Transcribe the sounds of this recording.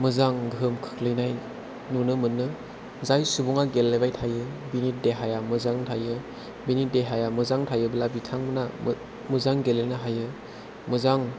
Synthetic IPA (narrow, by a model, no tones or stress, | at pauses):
mɯzaŋɡʱɯmkʰɯ̥kʰlɯjnaj | nunɯmɯnːɯ | zajsubuŋaɡelːebajtʰajɯbinit̚deɦajamɯzaŋtʰajɯ | binit̚deɦajamɯzaŋtʰajɯbɯlabitʰaŋmɯna | mɯzaŋɡelenɯɦajɯ | mɯzaŋ